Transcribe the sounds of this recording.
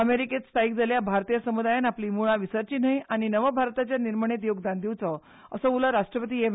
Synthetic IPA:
əmeɾiket͡sst̪ʰaik̚d͡zaljabʱaɾt̪ijəsəmud̪ajanapliːmuɭaʋisəɾt͡ɕiːnəjaɽ̃inəʋəbʱaɾt̪at͡ɕjaniɾməɳ̃et̪joɡd̪and̪iwt͡sə | əsəuləɾaʂʈɾəpət̪iːem

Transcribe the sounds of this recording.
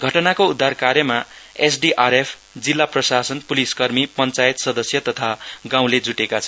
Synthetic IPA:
ɡʱʌʈʌnakoud̪ʱːarkaɾjʌmaesɖiʔaɾepʰ | d͡zilːaprʌsasʌnpuliskʌrmipʌnt͡sajet̪sʌd̪ʌsjʌt̪ʌt̪ʰaɡãw̃led͡zuʈekat͡sʰʌ

